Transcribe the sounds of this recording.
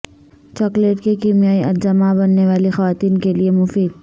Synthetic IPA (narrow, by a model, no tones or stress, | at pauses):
t͡ʃɔːkleʈkekiːmijaːiʔɐd͡ʒɐmabɐnːeʋaːlixɐʋaːt̪iːnkeliemʊfiːd̪̚